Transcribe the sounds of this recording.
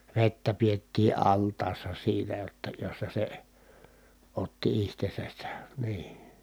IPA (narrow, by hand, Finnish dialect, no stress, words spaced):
ʋetːæ pietːiː ɑltˑɑːsːɑ siːnæ jotːɑ josːɑ se otːi ihtesæs se niː